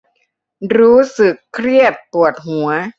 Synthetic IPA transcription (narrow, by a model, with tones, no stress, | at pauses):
ɾuː˦˥sɯ˨˩kʰːɾi˥˩ət̪̚pu˨˩ət̪̚ɦu˩˦ɐ